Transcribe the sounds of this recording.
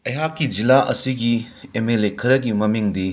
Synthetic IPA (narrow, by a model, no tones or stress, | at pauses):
ɐjɦakːid͡ʒilaʔɐ̰siɡi | emelekʰɐɾɐɡimɐmiŋdi